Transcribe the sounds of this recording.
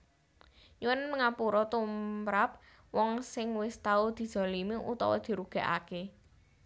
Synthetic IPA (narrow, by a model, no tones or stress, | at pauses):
juwənməŋapuɾɔt̪umɾap̚ | wɔŋsɪŋwɪst̪aud̪̥i̤d̥ʒ̥ɔ̤limiṵt̪ɔ̰wɔ̰d̪̥i̤ɾuɡ̥a̤ʔa̰ke